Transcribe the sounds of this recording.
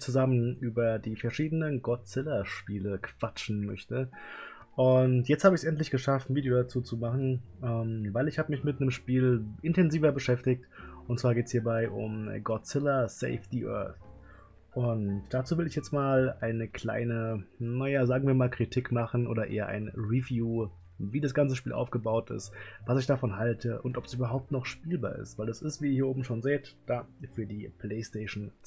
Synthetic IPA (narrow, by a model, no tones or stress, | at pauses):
t͡suzamənʔyːbɐdiːfɛɐʃiːdənənɡɔtt͡sɪlɐʃpiːləkʰv̥at͡ʃn̩mœ̰çtə | ʔʊntjɛt͡sthaːbəɪəsʔɛntlɪçɡ̥əʃaftn̩viːdjodat͡suːt͡sumaχn̩ʔɛːmvaɪlɪçhaːbəmɪçmɪtnəmʃpiːlʔɪntʰɛnziːvɐbəʃɛftɪktʔʊntt͡sv̥aːɐɡeːtəshiːɐbaɪʔʊ̰mɡɔt͡sɪlɐsḛɪfd̥iʔœ̰ɐθ | ʔʊntd̥at͡suːvɪlɪçjɛt͡stmaːlaɪnəkl̥a̰ɪnənajaːzaːɡŋ̩viːɐmaːlkʁ̥itʰɪkmaχn̩ʔo̰ːdɾɐʔḛːɐʔa̰ɪnʁivjuː | viːdasɡ̥ant͡səʃpiːlʔa̰ʊfɡ̥əbaʊtɪ̰stv̥asɪçd̥afɔnɦaltʰəʔʊntʔɔpɛ̥sʔyːbɐɦaʊp̚tnɔχʃpiːlba̰ːɐʔɪ̰stv̥aɪldɛsɪstv̥iːɪiːɐʔoːbm̩ʃoːnzeːtd̥aːfyːɐdiːpʰl̥eɪsteɪʃn̩